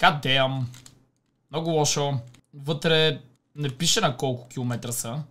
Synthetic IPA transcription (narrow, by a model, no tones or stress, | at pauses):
kad̪ɛjɐm | mnɔɡʊlˠɔʃovɤt̪ɾɛ | nɛpiʃɛnɐkɔlˠkʊ̥k̟ʲilˠomɛt̪ɾəsə